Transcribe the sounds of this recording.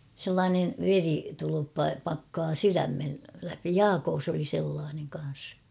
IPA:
selːɑːneʋ ʋeritulupːɑ pɑkːɑː syræmːel læpi jɑːkoːs oli selːɑːneŋ kɑn̞s

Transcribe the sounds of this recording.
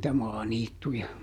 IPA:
nĭtæ mɑːniːtːujɑ

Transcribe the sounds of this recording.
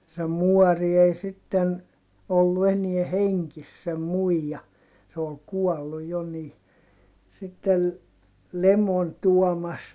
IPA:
se muɔri ei sitːen olːu enie heŋkis sem muijɑ se ol kuɔlːu jo ni sitːel lemon tuɔmɑs

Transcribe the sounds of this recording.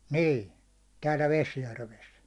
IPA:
niː tæːlæ̥ ʋesjærʋes

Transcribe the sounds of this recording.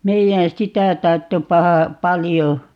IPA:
meijæn sitæ tɑrtːep pɑhɑ pɑlijo

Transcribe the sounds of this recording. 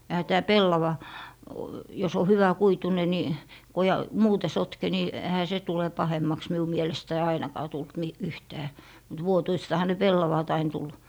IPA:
ehæ tæː pelːɑʋɑ jos o hyʋækuitune ni ko jɑ muːte sotke ni ehæ se tule pɑhemːɑks miu mielestæi ɑinɑkɑː tult mi yhtæː mut ʋuotuistɑhɑ ne pelːɑʋɑˑt ɑin tul

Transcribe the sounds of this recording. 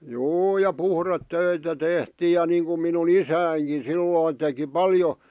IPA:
juː jɑ puhretːøitæ tehtiːj jɑ niːŋkum minun isæːŋkin̞ silːoˑĭn̆ teki pɑljo

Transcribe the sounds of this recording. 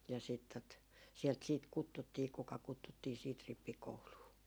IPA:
jɑ siːt tot sielt siːt kutːutːiː kukɑ kutːutːiː siːt ripːikouluː

